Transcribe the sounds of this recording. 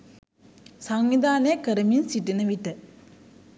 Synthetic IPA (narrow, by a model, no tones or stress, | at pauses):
saŋʋid̪ʱaːnekəɾəminsiʈinəʋiʈːə